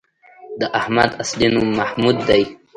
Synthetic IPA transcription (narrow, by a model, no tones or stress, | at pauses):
d̪əʔahmad̪aslinumːahmud̪ːaj